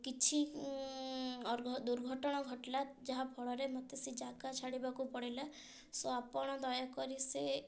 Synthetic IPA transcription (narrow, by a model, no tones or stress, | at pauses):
kit͡ʃʰi | ɾʱd̪uɾɡʱɔʈɔɽ̃ɔɡʱɔʈlad͡ʒaɦapʰɔɭɔɾemɔt̪esid͡ʒakat͡ʃʰaɽibakupɔɽila | sɔapɔɽ̃ɔd̪ɔjakɔɾise